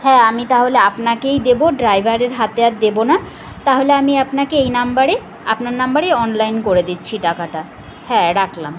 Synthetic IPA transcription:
hɛ̃amit̪aɦoleapnakejd̪eboɖɾajbʱaɾeɾɦat̪eat̪̚d̪ebona | t̪aɦoleamiapnakeejnambaɾe | apnaɾnambaɾejɔnlajnkoɾed̪it̪ːɕʰiʈakaʈa | hɛ̃ɾakʰlam

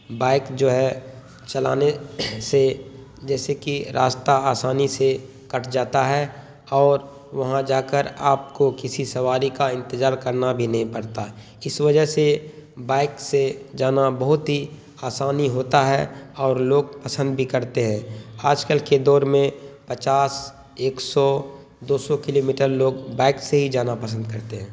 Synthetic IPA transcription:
baːɪkd͡ʒoːɦɛ | t͡ʃɐla̰ːnese | d͡ʒɛːsekiɾaːst̪aaːsaːnise | kɐʈʰd͡ʒaːt̪aɦɛ | ɔːɾ | ʋɐɦãd͡ʒaːkəɾaːp̚kokɪsisɐʋaːɾikaɪ̃nt̪ɪzaːɾkəɾnabʱinɐɦĩpɐɾt̪aɦɛ | ɪsʋɐd͡ʒəɦsebaːɪksed͡ʒaːnabəɦʊt̪ɦi | aːsaːniɦoːt̪aɦɛ̰ɔːɾloːɡpəsə̃nd̪bʱikəɾt̪eɦɛ̃ːaːd͡ʒkəlked̪ɔːɾmẽpət͡ʃaːs | eːksɔ | d̪oːsɔkɪloːmiːʈəɾloːɡbaːɪkseɦid͡ʒaːnapəs̬ənd̪̚kəɾt̪eɦɛ̃ː

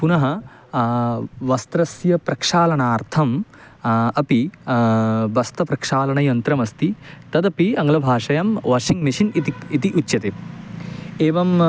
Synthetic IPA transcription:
punɐɦɐ | ʋɐst̪ɾɐsjɐpɾɐkʂaːlɐɳaːɾt̪ʰɐm | ɐpi | bɐst̪ɐpɾɐkʂaːlɐɳɐjɐnt̪ɾɐmɐst̪it̪ɐd̪ɐpiɐŋɡɐlɐbʱaːʂɐjɐmʋɐːʂiŋɡmiʂinit̪iit̪iʔutːjɐt̪e | eːʋɐm

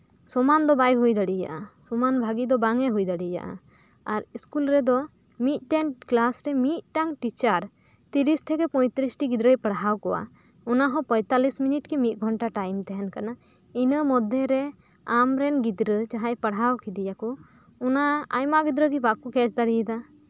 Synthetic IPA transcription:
sɔmand̪ɔbajɦujd̪aɽija̰ʔasɔmanbʱaɡid̪ɔbaŋɛɦujd̪aɽija̰ʔa̰ | aɾiskulɾɛd̪ɔ | mit̪̚ˀʈɛnklasɾɛmit̪̚ʈaŋʈit͡ʃaɾ | t̪iɾist̪ʰɛkɛpɔjt̪ɾisʈiɡid̪ɾəjpəɽɦawkɔwa̰ | ɔnaɦɔ̃pəjt̪alisminiʈkɛmit̪̚ˀɡʱɔɳʈaʈajmt̪ɛɦɛnkana | inəmɔd̪ʱɛɾɛ | amɾɛnɡid̪ɾət͡ʃaɦajpəɽɦawkid̪ijakɔ | ɔnaa̰jmaʔɡid̪ɾəɡibakukɛt͡ʃd̪aɽijɛd̪a

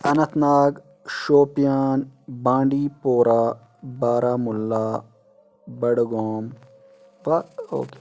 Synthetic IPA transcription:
ɐnɐt̪naːk | ʃoːpjaːnbãːɳɖiːpoːɾaː | baːɾaːmulːaː | bɐɽɡoːm | ʋao̰ːke̥

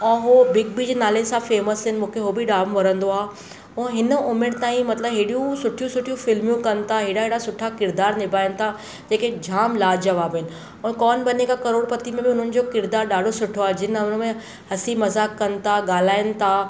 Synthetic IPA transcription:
ɛ̃ːɦobɪɡ̚bid͡ʑeːnaːlesãfeːməsɦɪnɪ̆mũːkʰeɦobɪɖaːmʋɐɾə̃nd̪oaːɦ | ũɦɪnəʊmɪɽt̪aːĩmɐt̪ləbɦeːɽijũsʊʈʰijũsʊʈʰijũfɪlmijũkɐnɪ̆t̪ʰaɦeːɽaɦeːɽasʊʈʰakɪɾd̪aːɾnɪbʱaːɪnɪ̆t̪ʰa | d͡ʑeːked͡ʑʱaːmlaːd͡ʑɐʋaːbɦɪnɪ̆ | ɛ̃ːkɔːnbɐnekakɐɾoːɽpɐt̪imẽbɪʊn̤ənɪ̆d͡ʑoːkɪɾd̪aːɾɗaːɖʱosʊʈʰoaːɦd͡ʑɪnʊnəmẽ | hɐsimɐzaːkːɐnɪ̆t̪ʰaɠaːl̤aːɪnɪ̆t̪ʰa

